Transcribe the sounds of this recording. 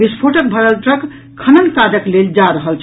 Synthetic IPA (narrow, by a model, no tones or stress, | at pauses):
bispʰoʈək̚bʱəɾəlʈɾək | kʰənənkad̪əkleld͡ʒaɾəɦəlt͡ʃʰ